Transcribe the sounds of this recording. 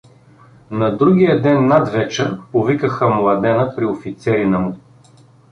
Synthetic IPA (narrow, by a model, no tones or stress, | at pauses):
nɐd̪ɾuɡʲijəd̪ɛnːad̪vɛt͡ʃɛɾpovikəxəmlˠɐd̪ɛnəpɾiofit̪sɛɾinɐmʊ